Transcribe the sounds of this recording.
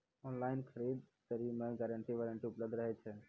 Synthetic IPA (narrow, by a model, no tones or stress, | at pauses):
ɔːnlaːɪnkʰəɾiːd̪t̪əɾimẽɡɛɾəɳʈiʋəːɾəɳʈiʊpləb̚d̪ʱɾəɦɛt͡ʃʰe